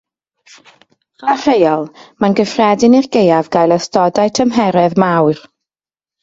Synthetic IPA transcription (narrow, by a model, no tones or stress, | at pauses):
χar̥ejɔlˠmanɡəfrɛdɪnirɡejavɡajlˠəstɔdajtʰəmɦɛɾɛðmawr